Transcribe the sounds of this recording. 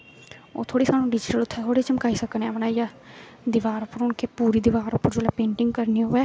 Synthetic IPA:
o̰ːt̪ʰoːɽiːsaːnũːɖɪd͡ʒɪʈəlʊt̪ʰːɛːt̪ʰoːɽeːt͡ʃəmkaːiːsəknẽɛ̃pnaːijaː | d̪ɪʋaːɾʊpːəɾɦʊɳkeːpuːɾiːd̪ɪʋaːɾʊpːəɾd͡ʒoːlaːpẽːɳʈɪ̃ŋɡkəɾniːɦoːɛː

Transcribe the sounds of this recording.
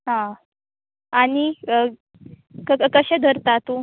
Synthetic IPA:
ɦã | ani | kəəkəɕẽd̪ʱəɾt̪at̪u

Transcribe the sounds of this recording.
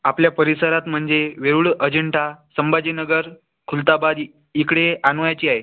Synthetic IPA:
apljapəɾisəɾat̪m̤əɳd͡zeʋeɾuɭəd͡ʑəɳʈasəmbad͡ʑinəɡəɾ | kʰult̪abad̪ | ikɽeanʋjat͡ɕiːaɦe

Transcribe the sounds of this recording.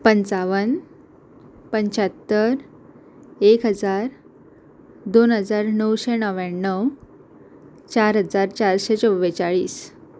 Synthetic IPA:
pənt͡saʋən | pəɲt͡ɕət̪ːəɾ | ekɦəd͡zaɾ | d̪onɦəd͡zaɾnəwɕenəʋaɳːəw | t͡ɕaɾɦəd͡zaɾt͡ɕaɾɕet͡sɔʋet͡ɕaɭiːs

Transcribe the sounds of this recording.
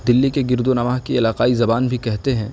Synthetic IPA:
d̪ɪlːikeɡɪɾd̪onɐʋaːɦkiɪlaːqaːizɐbaːnbʱikɛɦt̪eɦɛ̃ː

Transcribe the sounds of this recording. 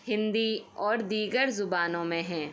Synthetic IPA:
hɪ̃nd̪iɔːɾd̪iːɡəɾzʊbaːnõmẽɦɛ̃ː

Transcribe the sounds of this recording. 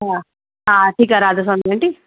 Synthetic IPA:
a | aːʈʰiːkaɾaːd̪ɐs̬ɐnd̪iɐɳʈi

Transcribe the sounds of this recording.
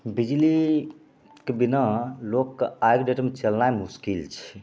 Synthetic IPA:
bid͡ʒli | kebinalokːajɡɖeʈmet͡ʃəlnajmuskilt͡ʃʰɛ̥

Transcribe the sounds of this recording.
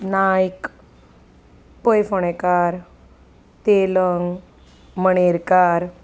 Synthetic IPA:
najk | pojfoɳ̃ekaɾ | t̪eləŋɡ | məɳ̃eɾkaɾ

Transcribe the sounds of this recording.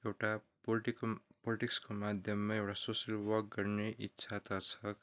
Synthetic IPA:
ewʈa | lʈipoliʈikskomad̪ʱjʌmːaewʈasosʌlwʌk̚ɡʌrneʔitːsʰat̪ʌt͡sʰʌk

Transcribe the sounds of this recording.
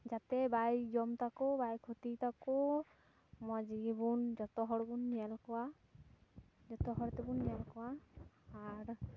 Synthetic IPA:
d͡ʒat̪ɛbajd͡ʒɔmt̪akɔbajkʰot̪it̪akɔ | mɔd͡ʒiɡibund͡ʒɔt̪ɔɦɔɽbunːialkɔwa | d͡ʒɔt̪ɔɦɔɾɔt̪ɛbunːialkɔwaː | ɾ

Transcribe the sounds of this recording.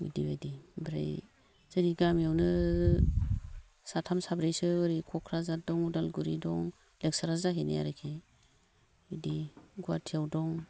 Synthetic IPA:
ḭdibadibɾa̰j | zaɾiɡamjawnɯ | satʰamsabɾejsɯɯɾikʰɔkʰɾazadɔŋudalɡuɾidɔŋ | leksaɾazaɦeneja̰ɾejkʰe | idiɡuwatʰiawdɔŋ

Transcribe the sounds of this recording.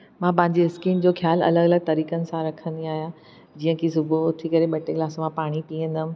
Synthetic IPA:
mãp̬ɐ̃ɦɪ̃ɲd͡ʑeɪskiːnd͡ʑoːxjaːlɐ̰ləɡɐləɡ̚t̪ɐɾiːkənɪ̆sãɾɐkʰə̃nd̪iaːɦijã | d͡ʑiːə̃kʰis̬ʊbot̪ʰikɐɾeɓɐʈeklaːsomãpaːɽ̃iʈĩːə̃nd̪əm̆

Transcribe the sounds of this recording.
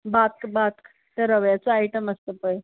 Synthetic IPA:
bat̪̚kbat̪k | t̪eɾəʋjat͡soaiʈəməst̪əpəj

